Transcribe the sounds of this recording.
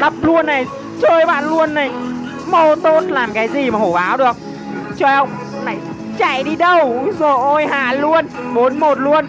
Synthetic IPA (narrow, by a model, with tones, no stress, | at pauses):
lə˦˥p̚lu˧ənːa˨˩j | t͡ɕəː˧jɓa̰ː˧˨nlu˧ənːa˨˩j | mo˧t̪o˦˥t̚laː˨˩mkaː˨˦jzi˨˩maː˨˩ho˧˩ɓaː˨˦wɗɨ˨˩ək̚ | t͡ɕɔ˧˩ə˧wŋ͡m | na˨˩j | t͡ɕa̰ː˧˩˨jɗi˧ɗə˨˩wzo˨˩jʔo˧˩jɦaː˨˩lu˧ən | mo˨˦nmo˨˩t̚lu˧ən